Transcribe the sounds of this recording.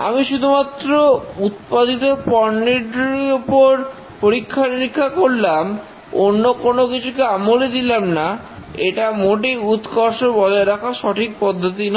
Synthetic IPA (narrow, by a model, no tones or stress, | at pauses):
a̰miʃud̪ʱumat̪ːɾout̪̚pad̪it̪opɔɾniɖiopoɾ | poɾikʰːaniɾikʰːakoɾlam | onːokonokit͡ɕʰukeamoled̪ilamna | eʈamoʈ̬ejut̪kɔɾʃoɾbɔd͡ʑʱaeɾakʰaʃɔʈʰik̚pɔd̪ʱːot̪̬inɔ